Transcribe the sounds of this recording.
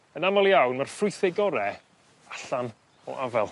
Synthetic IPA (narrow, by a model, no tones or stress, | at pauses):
ənamɔlˠjawnmarfrʊɨθɛɡɔɾɛ | aɬan | ɔ̰ʔavɛlˠ